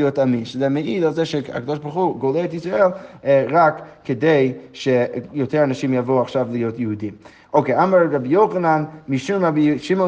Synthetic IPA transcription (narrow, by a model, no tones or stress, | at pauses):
jotaminʃəzɛmeidalˠzɛʃea̰kadɔʃbaɾχuɡoleːtisʁaelˠʁakːedejʃejotʰɛɾanaʃimjavoaχʃavlijotjəhudim | okeamaɾʁabijoχananmiʃumabʃimo